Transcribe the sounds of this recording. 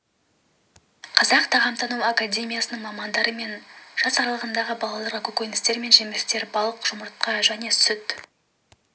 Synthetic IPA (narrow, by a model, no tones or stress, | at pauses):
qʰɑzɑqt̪ʰɑʁɑmt̪ɑnuakad̪ʲe̞mʲijasənəɴmɑmɑnd̪ɑɾəme̞nʒ̥ɑsɑɾɑlˠəʁənd̪ɑʁəbɑlˠɑlˠɑɾakɵkʲojnɪst̪e̞ɾme̞nʒemɪst̪e̞ɾbɑlˠəqʒ̥ʊməɾt̪̚qɑʒæne̞sʏt̪